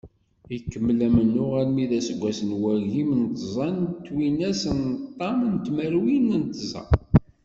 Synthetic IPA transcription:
jkːəmːlæmənːʊʁæɾmiðæsəɡʷːæsənwæʝimənt̪əzˤɑnt̪ːwinæsənt̪ˤːɑmnt̪məɾwinənt̪zˤɑ̰

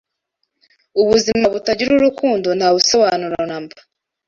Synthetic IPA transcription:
uβuzimaβutaɟiɾuɾukʰuːndonhaβusoβanuɾanamba

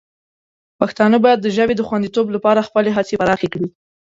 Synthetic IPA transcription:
paxt̪ɑnəbɑjad̪̚ːəʒəbed̪əxwand̪it̪oblapɑɾaxpəleɦat͡sepaɾɑxekɽi

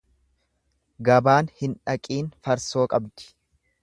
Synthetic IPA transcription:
ɡɐbaːnhɪnᶑɐkʼiːnfɐɾso̞ːkʼɐbd̪ɪ̥

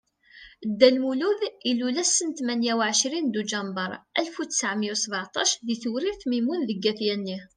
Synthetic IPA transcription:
d̪ːælmuluðilːulæsːənt̪mænjæwʕəʃɾind̪ud͡ʒɑmbəɾˤælfut͡sːə̥sʕəmjæwsəbʕt̪ˤɑʃðiθuɾiɾθmimunðəɡːæθjænːi

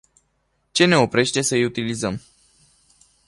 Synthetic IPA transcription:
t͡ʃe̞ne̞o̞pɾe̞ʃt̪e̞səijut̪ilizəm

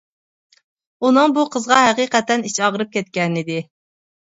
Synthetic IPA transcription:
unɨŋbuqʰəzʁɑhæqiːqɛt̪ɛnit͡ʃɑʁəɾɨp̚kʲʰɛt̪̚kʲɛnɪd̪ɪ

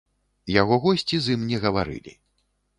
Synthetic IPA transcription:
jaɣɔɣɔsʲt͡sʲizɨmnʲɛɣɐvaɾɨ̰lʲḭ

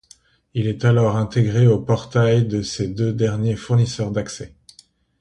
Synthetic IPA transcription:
ilɛt̪alɔʁɛ̃t̪eɡʁeopɔʁt̪ajd̪əsed̪ød̪ɛʁnjefuʁnisœʁd̪aksɛ

